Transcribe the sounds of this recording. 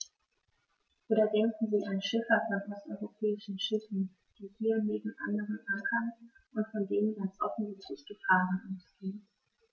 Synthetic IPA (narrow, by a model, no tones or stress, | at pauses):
ʔoːdɐdɛŋkŋ̩ziːʔanʃɪfɐfɔnʔɔstʔɔʏʁopʰɛːɪʃn̩ʃɪfn̩ | d̥iːhiːɐneːbm̩ʔandəʁənʔaŋkʰɐn | ʔʊntfɔndeːnənɡant͡sʔɔfn̩mɪtʰɪçɡ̥əfaːʁənʔaʊsɡ̥eːən